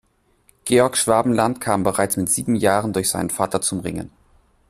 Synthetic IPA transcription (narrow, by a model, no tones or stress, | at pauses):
ɡ̥eːɔɐkʃv̥aːbm̩lantkʰaːmbəʁaɪt͡smɪtz̥iːbm̩jaːʁəndʊɐçz̥aɪnənfaːtɐt͡sʊmʁɪ̰ŋə̰n